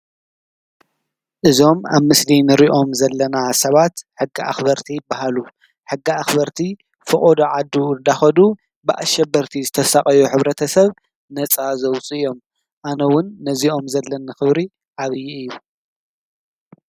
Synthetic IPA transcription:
ʔɨzo̞ma̰βmɨslinɨɾiʔo̞mzɐlːɐnasɐβat̪ħɨɡːiʔa̰xbɐɾt̪ʰibːahalu | ħɨɡːiaxbɐɾt̪ʰi | fɨkʼod̪oʕad̪ːud̪axɐd̪u | bɨʔa̰ʃːɐbɐɾt̪ʰizɨt̪ʰɐsaχʼɐjuħɨβɾɐt̪ʰɐsɐβ | nɐt͡sʼazɐwt͡sʼijo̞m | ʔanɐwʊnːɐzio̞mzɐlːɐnːɨxɨβɾi | ʕaβɨjːiɨjːu

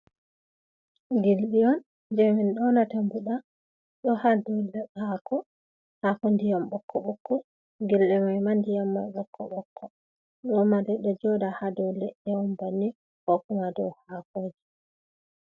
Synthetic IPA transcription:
ɡilɗiɔn | d͡ʒɛmɛnɗɔnatambuɗa | ɗɔhadɔlɛhakɔ | hakɔndijamɓɔkːɔɓɔkːɔ | ɡilɗɛmajmandijamːajɓɔkʰːɔ̰ɓɔkʰːɔ | ɗɔmadɛɗɔd͡ʒɔdahadɔlɛʔɛwɔmbanːi | hɔkumadɔ̰hakoːd͡ʒi

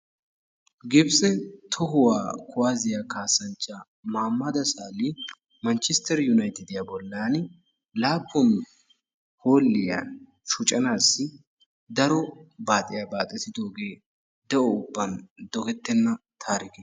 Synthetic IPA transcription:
ɡɪbsɛt̪ʰɔɦʊwa̰ːkʰʊwaːzɪjakaːsɐnt͡ʃːa | maːmːɐd̪ɐsaːlɪ | mɐnt͡ʃɪst̪ɛɾjʊnɐjt̪ɪd̪ɪjabɔlːaːn | laːpːɔn | ho̞ːlːɪja̰n | ʃʊt͡ʃʼɐnaːsːɪ | d̪ɐɾɔbaːt̪ʼɪjabaːt̪ʼːɛsɪd̪o̞ːɡe̞ː | d̪ɛʔɔʊbːɐnd̪ɔɡɛt̪ːɛnːɐt̪ʰaːɾɪɡɪ

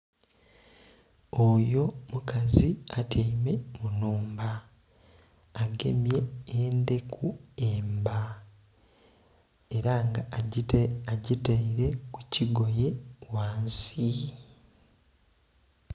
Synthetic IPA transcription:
ojo̞mukaziatʰeime̞munuːmba | ɡe̞̰mje̞eːnde̞kʰue̞ːmba | e̞ɾaŋɡa | aɟitaiɾe̞kuciɡo̞je̞waːnsi

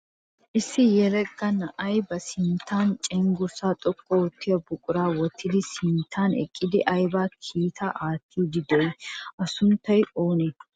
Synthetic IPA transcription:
ʔɪsːɪjɛlɛkʼːɐnɐʔɐjbɐsɪnt̪ʰːaːnt͡ʃʼɛŋɡʊɾsaːt̪ʼɔkʼːɔɔt̪ʰːɪjɐbʊkʼʊɾaːwɔt̪ʰːɪd̪ɪsɪnt̪ʰːaːnɛ̰kʼːɪd̪ɪʔɐjbaːkʰiːt̪ʰɐʔaːt̪ʰːiːd̪ɪd̪ɛjʔɐsʊnt̪ːɐjoːne

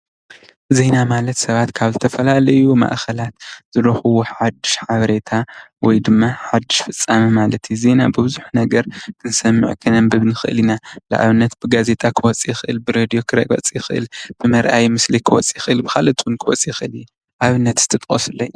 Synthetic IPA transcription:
ze̞jnamalɐt̪sɐβat̪kʰaβzɨt̪ʰɐfɐlalɐjuma̰ʔxɐlat̪z̥ɨɾoxɨwuħħad̪ːɨʃħaβɐɾe̞t̪ʰawɔjd̪ɨmːaħad̪ːɨʃfɨt͡sʼːamɐmalɐt̪ʰjuze̞nabɨβɨzuħnɐɡɐɾkʰɨnsɐmːɨ̰ʕkʰɨnɐmbɨβnɨxɨʔɨ̰linala̰ʔa̰βɨnːɐt̪̚b̥ɨɡaze̞t̪ʼakʰɨwɔt͡sʼijɪxɨʔɨlbɨɾed̪ijo̞kʰɨɾɐ̰ɡʼɐ̰t͡sʼijɪxɨʔɨ̰lb̥ɨmɐɾʔajmɨslikʰɨwɔt͡sʼiɪxɨʔɨlbɨxalɐt̪ʼwunkʰɨwɔt͡sʼijɪxɨʔɨliju | ʔaβɨnːɐt̪z̥ɨ̥t̪ʰɨt̪ʼχʼo̰sɨlːoj

